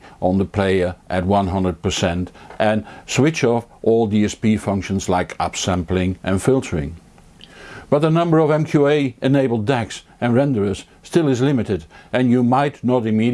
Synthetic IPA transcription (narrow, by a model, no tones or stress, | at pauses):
ə̃nðəpʰl̥eɪə˞ʔɨt̚wʌ̃nɦʌ̃ndɹəd̚pə˞sɛ̃ntʔɨ̃nswɪt͡ʃɔfʔɔlˠdiɛspifʌ̃ŋkʃɨ̃n̩zlaɪkʌ̰psæ̃mplɪ̃ŋʔɨ̃nfɪlˠtʰə˞ɪ̰̃ŋ | b̥ʌt̪̚ðənʌ̃mbə˞ʌvɛ̃mkʰjueɪʔɨneɪbl̩ˠdæksɨ̃nɹɛ̃ndə˞ɨs | stɪlˠɨzlɪ̃mɨɾɨɾɨ̃njɨmaɪtⁿnəɾɨmiɾ